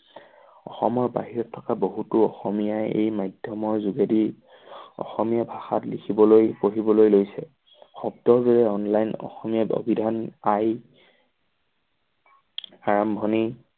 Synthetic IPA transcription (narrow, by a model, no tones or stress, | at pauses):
ɔ̰xɔmɔɹba̰ɦiɹɔtʰːɔ̥kaboɦutʊɔxɔmijajḛjmajdʱjɔmɔɹzuɡedi | ɔ̰xɔmijabʱaxatlikʰibɔlojpoɦibɔlojlojsɛ | xɔb̚dɔɹdɔɹɛɔnlajnɔ̰xɔmijao̰bʱidʱanaj | aɹambʱɔni